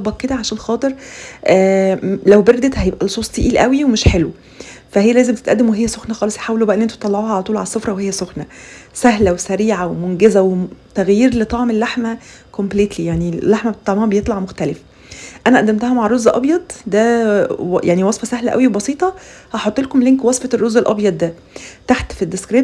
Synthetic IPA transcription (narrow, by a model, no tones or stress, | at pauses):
bɑkkːed̪æʕaʃæːnlxɑːt̪ˤeɾʔæːlæwbeɾd̪et̪hæjebʔælosˤuːsˤt̪iʔiːlʔæwiwemeʃħelwe | fæhejːælæːzembt̪et̪ʔæ̰d̪ːemweɦejːæsoxnæxɑːlesˤje̥ħaːwelubæʔenːʔent̪u̥t̪ˤːɑlːɑʕoːhæʕalæt̪uːlʕalæsˤːofɾˤɑwehejːæsoxnæsæɦlæwesæɾiːʕawemonɡezæwet̪æɣjiːɾlet̪ˤɑʕmelːaħmæ | kompliːt̪lijaʕnilːaħmæbet̪et̪ˤːɑʕmhæbejet̪ˤlɑʕmoxt̪ælef | ʔænæʔæd̪ːæmt̪æhæmaʕrˤozːʔɑbjɑd̪̚ˤd̪æ | jʔaʕniwɑsˤfɑsæhlæʔæ̰wiwebɑsiːt̪ˤɑhɑħot̪ˤːelkomleŋkwɑsˤfɑt̪rˤːozelʔɑ̰bjɑd̪ˤdːæ | t̪aħt̪fid̪ːeskɾeː